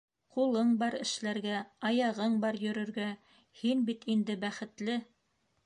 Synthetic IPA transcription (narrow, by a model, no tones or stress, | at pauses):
qulˠɤɴbɑɾɘ̆ʃlæɾɡæɑjɑʁɤɴbɑɾjɵ̆ɾɵ̆ɾɡæ | hinbit̪ind̪ɘbæχɘ̆t̪lɘ